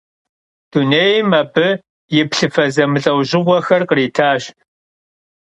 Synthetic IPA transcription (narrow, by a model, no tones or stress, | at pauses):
d̥uneːjmɐbɨ | jɪpɬɨfɐzɐmɨɬʼɐwʑɪʁʷɔxɐrqəriːtʰaːɕ